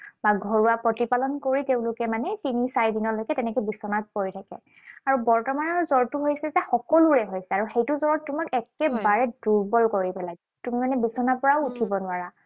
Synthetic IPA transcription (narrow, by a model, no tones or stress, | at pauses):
baɡʱɔɹuwapɹɔtipalɔnkoɹiteʊ̃lʊkɛmanɛtinisajdinɔlojkɛtɛnɛkɔjbisɔnat̚koɹitʰakɛ̰ | aɹubɔɹtɔmanɔɹzɔɹtuɦojsɛzɛxɔkɔluɹɛɦojsɛaɹuxejtuzɔɹɔtːumakɛkɛbaɹɛduɹbɔlkoɹipɛlaɡ | tumimanɛbisɔnapɔɹaʊutʰibɔnʊaɹa